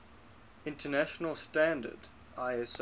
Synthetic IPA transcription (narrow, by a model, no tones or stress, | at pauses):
ɪ̃ntʰənæʃənəlˠstæ̃ndə̰d | aɪɛs